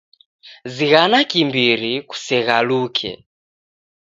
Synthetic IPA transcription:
ziɣanakimbiɾiku̥sɛɣalukʰɛ̰

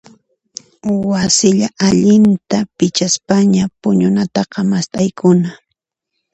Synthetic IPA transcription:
wasɪʎaʔaʎɪnt̪apɪt͡ʃaspaɲapʊɲʊnat̪ɑqɑmast̪ʼajkʰʊna

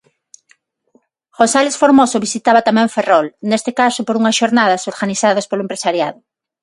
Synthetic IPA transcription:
ɣosalesfoɾmosoβisit̪aβɐt̪amɛ̃ɱferɔlnest̪ɪkasʊpoɾuŋɐsʃoɾnaðɐsoɾɣaniθaðɐspoloempɾesaɾjaðʊ

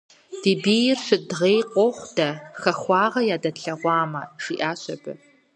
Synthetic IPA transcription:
d̥iːbiːjɪrʂɨdʁeːjqʷɔχʷd̥ɐxɐxʷɑːʁɐjaːdɐɬɐʁʷɑːmɐʒ̥iːʔaːɕɐbɨ̰

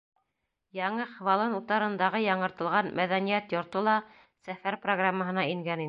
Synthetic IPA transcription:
jɑɴɤχvɑlˠɤnut̪ɑɾɤ̆nd̪ɑʁɤjɑɴɤ̆ɾt̪ɤ̆lˠʁɑnmʔæðænijæt̪jŏɾt̪olˠɑ | sæfæɾproɡramːəɦɤ̆nɑiŋɡæni

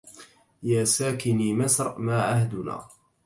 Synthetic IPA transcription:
jaːsaːkɪniːmasɾˤmaːʕahd̪ʊna̰ː

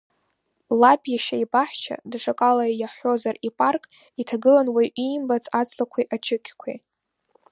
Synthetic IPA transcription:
labjaʃaibaħt͡ʃʰa̰dʂakʼalajaħo̞zaripʼarkʼ | itʰaɡɨlanwajʔimbat͡sʼat͡sʼlakʷʰiʔad͡ʒɨkʲʰʼkʷʰḛ

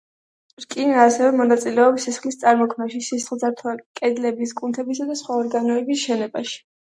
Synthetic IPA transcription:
ɾkʼinaːsɛvɛmɔnat̪sʼilɛɔpsisχlist̪sʼaɾmɔkʰmaʃisisχlˠzaɾt̪ʰwakʼɛd̪lɛbiskʼunt̪ʰɛbisad̪asχwaɔɾɡanɔɛbisʃɛnɛbaʃi̥

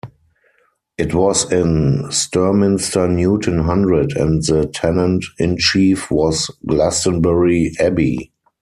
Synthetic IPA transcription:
ʔɪtwɔsɪ̃nstɜ˞mɪ̃nstə˞njuːtʰə̃nɦãndɹədɛ̰̃ntðətʰɛnə̃ntɪ̃nt͡ʃiːfwɔsɡlæstə̃nbɛɹiʔɛbḭ

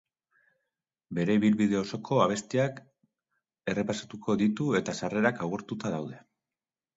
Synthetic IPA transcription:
be̞ɾe̞iβilβiðe̞o̞so̞kʰo̞aβ̞e̞st̪iak | e̞re̞pasat̪ukʰo̞ðit̪ue̞t̪asare̞ɾakawɣeɾt̪ut̪að̞awðe̞

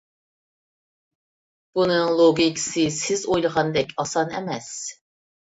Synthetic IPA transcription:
b̥unɨŋlˠoɡʲikʲʰi̥sɨsɪzojlˠəʁɑnd̪ɛkʲʰɑsɑnɛ̰mɛs

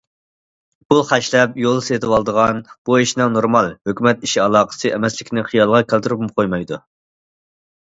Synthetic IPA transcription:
buχæʃlɛpjolˠset̪ʰɨwɑlˠd̪əʁɑnb̥uiʃnɨŋnoɾmɑlˠhøkʲymɛt̪iʃiɑlˠɑːqə̥sɨʔɛmɛslɪkʲnɪχijɑlˠʁɑkʲælt̪ɪɾɨpumqʰojmɑjd̪u

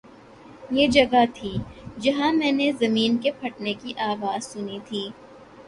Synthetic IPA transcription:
jeːd͡ʒɐɡat̪ʰiːd͡ʒɐɦãmɛ̃ːnezɐmiːnkepʰɐʈnekiʔaːʋaːzsʊnit̪ʰiː

